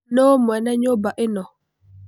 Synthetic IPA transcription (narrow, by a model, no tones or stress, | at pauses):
nomɛnɛɲobaʔɪnɔ